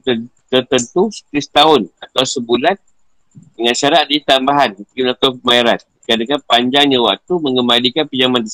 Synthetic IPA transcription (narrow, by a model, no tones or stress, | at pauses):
ə | t̪ərt̪ənt̪usə̥t̪ɪst̪aʊnat̪awsəbulan | dəŋanʃaɾat̪̚dit̪ambaɦanknat̪awmaiɾat̪̚ | kanakanpaɲd͡ʒaŋɲawa̰k̚t̪uməŋɡəmalikanpid͡ʒamandəs